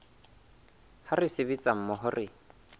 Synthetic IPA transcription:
harɪsɪβit͡sʼam̩mɔɦʊrɪ

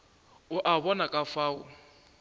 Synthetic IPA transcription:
ʊʔaβɔnakʼafaːʊ

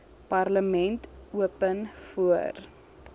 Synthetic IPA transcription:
pɐrləmɛntuəpənfuər

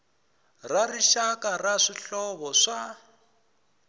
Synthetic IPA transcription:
rariʃakʼaraʂiɬɔβɔʂa

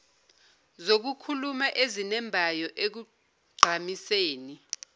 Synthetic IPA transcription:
zok̬ukʰulumaʔezinɛmbʱajɔʔek̬u | ɡ͡ǀʱamiseːni

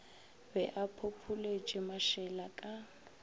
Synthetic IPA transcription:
bɛʔapʰopʰuled͡ʒʼɪmaʃɛlakʼa

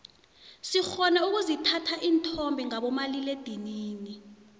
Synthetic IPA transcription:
sixɔnauk̬uzitʰatʰaʔiːntʰɔmbʱiŋaɓɔmaliled̥ʱiniːni

